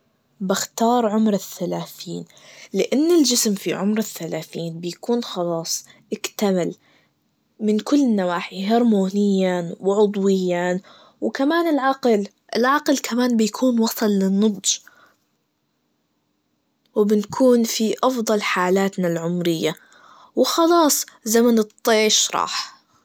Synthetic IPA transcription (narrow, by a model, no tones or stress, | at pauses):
bɪxt̪ɑːɾˤʕʊmɾɪθːalaːθiːn | lɪʔanːɪld͡ʒɪsmfḭʕʊmɾaθːalaːθiːnbɪjakuːnxɑlɑːsˤʔɪkt̪amal | mɪnkʊlːnːawaːħiɦɑɾˤmuːnɪjːawɪʕʊd̪ˤwɪjːa | wɪkamaːnɪlʕɑql | ʔɪlʕɑqlkʰamaːnbɪjakʰuːnwɑsˤɨlːɪnːʊd̪ˤd͡ʒ | wɪbɪnkʰuːnfiʔɑfd̪ˤɑlħaːlaːt̪nalʕʊmɾɪjːa | wɪxɑlɑːsˤzamanɨt̪ˤːeːʃɾˤɑ̰ːħ